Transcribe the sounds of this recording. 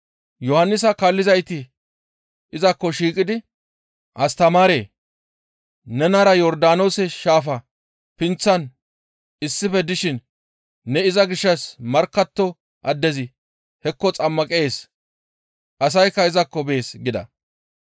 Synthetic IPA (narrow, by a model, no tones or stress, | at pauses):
jɔhɐnːɪs̬ɐkalːɪzɐjt̪ɪ | ɪzɐkːɔʃiːkʼɪd̪ɪ | ʔɐst̪ɐmaːɾeː | nɛnɐɾɐjɔɾd̪aːno̞ːsɛʃaːfɐ | pɪnt͡sːɐn | ɪsːɪfɛd̪ɪʃɪnː | ɛɪzɐɡɪʃːɐsmɐɾkːɐt̪ːɔ | ʔɐd̪ːɛzɪ | hɛkːɔt͡sʼɐmːɐkʼe̞ːs | ʔɐs̬ɐjkːɐɪzɐkːɔbe̞ːsɡɪd̪ɐ̰